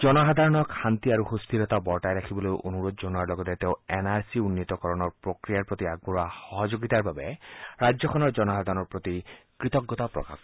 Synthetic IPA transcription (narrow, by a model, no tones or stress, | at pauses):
d͡ʒɔnɔɦad̪ʱaɹɔnɔkxant̪iaɹuhust̪ʰiɾɔt̪abɔɹʈajɾakʰibɔlojʔo̰nuɹod̪d͡ʒonuaɹlɔɡɔt̪ɛt̪eʊenaɹsiunːit̪ɔkɔɹɔnɔɹpɹokɹijaɹpɹot̪iaɡ̚buɹaxɔɦɔd͡ʒoɡit̪aɹbabɛɹad͡ʒɔkʰɔnɔɹd͡ʒɔnɔsad̪ʱaɹɔnɔɹpɹot̪ikɹit̪ɔɡːɔt̪apɹɔ̰ka̰k